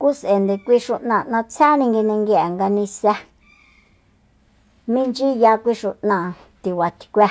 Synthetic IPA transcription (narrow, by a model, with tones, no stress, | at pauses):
ku˦se˨nd̪e˨kʷi˦ʃu˧ʔnã˧˨ʔnã˧t͡sʰa˦nĩ˧ŋɡi˧nẽ˧ŋɡi˧a˨ŋɡa˧nĩ˧sa˧ | mĩ˦nd͡ʒi˦ja˧kʷi˦ʃu˧ʔnã˧˨ | t̪i˨wa˨t̪ʰi̥˧kʷa˧